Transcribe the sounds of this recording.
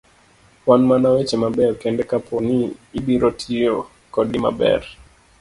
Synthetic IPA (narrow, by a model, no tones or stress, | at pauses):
pwanmanawet͡ʃɛmabɛɾkɛndɛkapʰɔniːbiɾɔtʰijo | kɔɗima̰bɛ̰ɾ